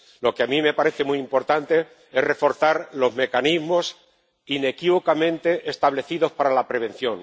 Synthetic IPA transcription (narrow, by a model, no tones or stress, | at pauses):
lo̞keamĩme̞paɾe̞θe̞muiimpo̞ɾt̪ant̪e̞ | e̞re̞fo̞ɾθaɾlo̞zme̞kanizmo̞s | ine̞kiβo̞kamẽ̞nt̪e̞ʔest̪aβ̞le̞θiðo̞spaɾalapɾe̞β̞ẽ̞n̟θjõ̞ŋ